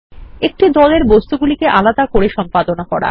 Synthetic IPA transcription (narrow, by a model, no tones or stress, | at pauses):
ek̚ʈid̪ɔleɾbost̪uɡulikeʔalad̪akoɾeʃɔmpad̪onakɔɾa̰